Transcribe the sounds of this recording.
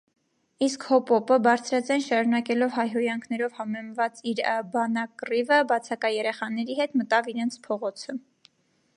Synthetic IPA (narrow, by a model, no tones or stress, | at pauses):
iskhɔpɔpəbɑɾt͡sʰɾɑt͡sɛnʃɑɾunɑkɛlɔvɦɑjɦɔjɑŋkʰnɛɾɔvhɑmɛmvɑt͡siɾbɑnɑkrivəbɑt͡sʰɑkɑjɛɾɛχɑnɛɾihɛt̪mət̪ɑviɾɛnt͡sʰpʰɔʁɔt͡sʰə